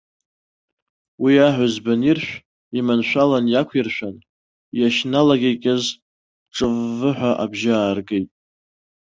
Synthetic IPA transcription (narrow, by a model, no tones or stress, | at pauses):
wiaħʷazbanirʃᶣʷ | imanʃʷᶣalanjakʷʰirʃᶣʷan | jaʃnalaɡʲekʲʼɪz | ʈ͡ʂʼɨvːɨħʷᶣaʔabʒaːrɡejtʼ